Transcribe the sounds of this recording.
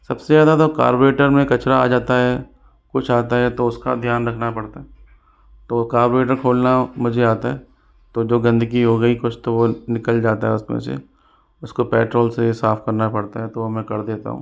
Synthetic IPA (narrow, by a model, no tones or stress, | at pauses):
sɐbseaːd̪at̪oka̰ːɾboɾeːʈəɾmẽkɐt͡ʃɾaa̰ːd͡ʒaːt̪aɦɛ | kʊt͡ʃʰaːt̪̬aɦɛt̪oʊska̰d̪ʱjaːnɾɐkʰnapɐɽt̪aɦɛ | t̪oːkaːɾboɾeːʈəɾkʰoːlnamʊd͡ʒʱeaːt̪aɦɛ | t̪oːd͡ʒoːɡɐ̃nd̪əɡiɦoːɡɐikʊt͡ʃʰt̪oʋonɪkəld͡ʒaːt̪aɦɛʊsmḛ̃sḛ | ʊskopɛːʈɾoːlsesaːfkɐɾnapɐɽt̪aɦɛt̪omɛ̃kɐɾd̪eːt̪a̰ɦṵ̃ː